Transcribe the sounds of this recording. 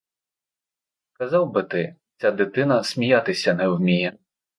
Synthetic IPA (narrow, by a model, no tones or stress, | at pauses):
kazawbɨt̪ɨ | t͡sʲad̪ɨt̪ɨnɐsʲmʲijat̪ɨsʲɐnɛwmʲijɛ